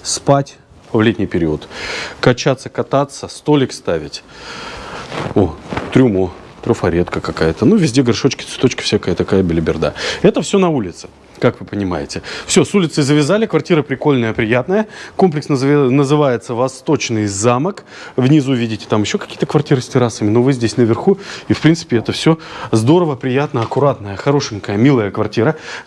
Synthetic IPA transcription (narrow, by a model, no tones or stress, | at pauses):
spatʲ | vlʲetʲnʲɪjpʲɪɾʲiwət̪kɐt͡ɕat̪sːə̥kɐt̪at̪səst̪o̞lʲɪkst̪avʲɪtʲ | ot̪ɾʲʊmo | t̪ɾʊfɐɾʲet̪kəkɐkajət̪ənuvʲɪzʲdʲe̞ɡɐrʂot͡ɕkʲɪt̪sɨ̥t̪o̞t͡ɕkə̥fsʲakajət̪ɐkajəbʲɪlʲɪbʲɪrd̪a̰ɛt̪əfsʲonɐulʲɪt̪sɨ̥ | kakvɨpənʲɪma̰jɪtʲɪfsʲo̞sulʲɪt̪səjzəvʲɪzalʲɪkvɐrtʲiɾəpɾʲɪko̞lʲnəjəpɾʲɪjat̪nəjəko̞mp̬lʲɪksnnəzɨvajɪt̪səvɐst̪o̞t͡ɕnɨjzamək | vnʲɪzuvʲidʲɪtʲɪ̥t̪amjɪɕːo̞kɐ̥kʲi̥jət̪əkvɐrtʲiɾɨsʲtʲɪɾasəmʲɪnovɨzʲdʲesʲnəvʲɪrxuifpʲint̪sɨ̥pʲɪɛt̪əfsʲozd̪o̞ɾəvəpɾʲɪjat̪nəɐkʊɾat̪nəjəxɐɾo̞ʂɨŋʲkəjəmʲilˠəjəkvɐrtʲiɾə